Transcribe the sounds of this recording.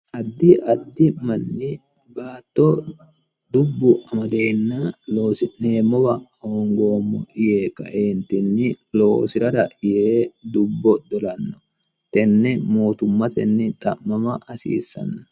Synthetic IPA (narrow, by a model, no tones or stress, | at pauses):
ʔɐd̪ːɪʔɐd̪ːɪmɐnːɪ | baːt̪ːo | d̪ʊbːʊʔɐmɐd̪eːnːaːloːsɪnːeːmɔbɐɔŋɡoːmːɔɪjeːkɐ̰ʔeːnt̪ɪnːɪ | loːsɪɾɐd̪ɐʔɪjed̪ʊbːɔd̪ɔlɐnːɔ̥ | t̪ɛnːɛmoːt̪ʊmːɐt̪ɛnːɛt̪ʼɐʔmɐmɐʔɐsḭːsɐ̰nːɐ